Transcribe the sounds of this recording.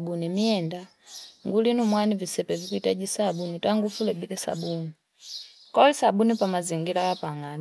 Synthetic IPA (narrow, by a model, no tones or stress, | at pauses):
bunimiɛnda | ŋɡulinumwanivisɛpɛvikuitaɟisabunitaŋɡufulɛbilɛsa̰buni | kɔlisabunipamaziŋɡilajapaŋan